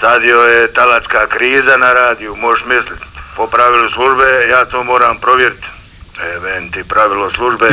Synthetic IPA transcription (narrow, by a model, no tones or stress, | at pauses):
sad̪iojet̪alaskaːkɾiːzanaɾaːd̪ijumoʃmislit̪popɾaʋiluslˠuʒbejaːt̪oːmo̞ːɾaːmpɾo̞ʋjeɾit̪ | eʋent̪ipɾaʋiloslˠuʒbe